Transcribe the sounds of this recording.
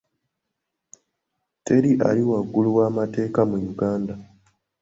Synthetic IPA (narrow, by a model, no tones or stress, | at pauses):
teɾiʔa̰liwaɡːuluwaːmate̞ːkamujuɡaːnda